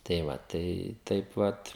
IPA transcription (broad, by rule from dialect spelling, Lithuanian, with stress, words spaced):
tɐɪ ˈʋɐ tɐɪ ˈtɐɪp ˈʋɐt